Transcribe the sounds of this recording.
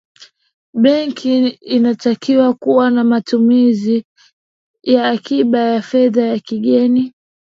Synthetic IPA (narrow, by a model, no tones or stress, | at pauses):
ɓɛŋkʰiːnatakiwakuwanamatumizi | jaːkiɓajafɛðajakiɠɛni